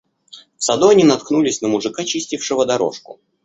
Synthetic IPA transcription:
fsɐd̪oɐnʲinɐt̪knulʲɪsʲnəmʊʐɨkat͡ɕisʲtʲɪfʂɨvəd̪ɐɾo̰ʂkʊ̰

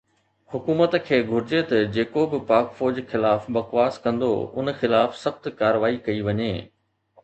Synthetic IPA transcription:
hʊkuːmət̪kʰeːɡʱʊɾɪd͡ʑet̪ɐd͡ʑeːkobɪpaːkfoːd͡ʑxɪlaːfbɐqʋaːskɐ̃nd̪o̰ʊ̰nxɪlaːfsɐxt̪kaːɾəʋaːikɐiʋɐɲeː

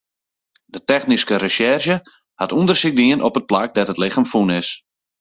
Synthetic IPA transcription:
d̥ətɛxniskəɾəʃɛrʃjə | hatundərsɪk̚diənʔɔpət̚plak̚datətlɪxəmfunɪs

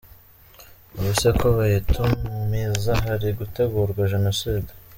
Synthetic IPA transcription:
uβisekʰoβajetʰummizaɦaɾiɡuteɡuːɾɡwaʒe̞no̞siːd

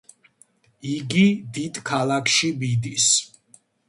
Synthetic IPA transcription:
iɡid̪id̪kʰalˠakʰʃibid̪is

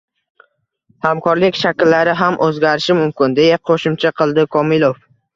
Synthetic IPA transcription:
hamkʰɒɾlɪkʲʃakʲɪlːaɾɪɦamʔɵzɡʲaɾɪʃɪmʊmkʲɪnd̪e̞jaqʰoʃɪmt͡ʃʰaqʰɨlˠd̪ɪkʰɒmɪlˠof

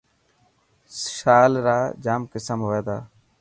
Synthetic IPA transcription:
ʃaːlɾaːd͡ʒaːmkɪsəmɦoːeːd̪aː

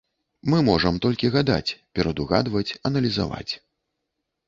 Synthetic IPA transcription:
mɨmɔʐɐmt̪ɔlʲkʲiɣad̪a̰t͡sʲpʲɛɾɐd̪uɣa̰d̪vɐt͡sʲɐnɐlʲiza̰va̰t͡sʲ

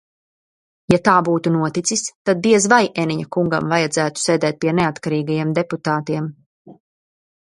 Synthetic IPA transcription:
jat̪aːbuːt̪unuɔt̪it̪sist̪ad̪̚biɛzvajʔeniɲakuŋɡa̰mvajad̪zæːt̪u̥sɛːd̪ɛːt̪̚piɛneat̪kaɾiːɡajɛmd̪eput̪aːt̪iɛm

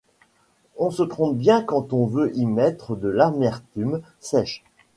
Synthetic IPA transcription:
ɔ̃sət̪χɔ̃p̚bjɛ̃kɑ̃t̪ɔ̃vøʔimɛt̪χəd̪əlamɛʁt̪ym | sɛʃ

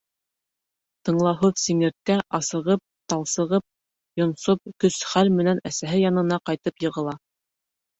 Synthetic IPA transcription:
t̪ɤ̆ɴlˠɑɦɵðsiŋɘ̆ɾt̪̚kæʔɑsɤ̆ʁɤp̚t̪ɑlˠsɤ̆ʁɤp̚ | jŏnsop̚kɵsχælmɘ̆nænæsæɦɘjɑnɤ̆nɑqɑjt̪ɤpjɤ̆ʁɤ̆lˠɑ

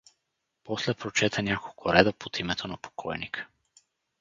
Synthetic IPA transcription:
pɔslɛpɾot͡ʃɛt̪ʰənʲakolˠkʰʊɾɛd̪əpot̪imɛt̪ʰonɐpo̥kʰɔjnikə̥

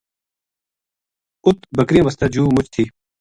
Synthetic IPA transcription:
ʊt̪̚bɐkɾĩːʋɐst̪ad͡ʑuːmʊt͡ɕʰt̪ʰiː

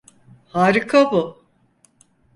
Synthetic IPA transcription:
haːɾikʰabʊ

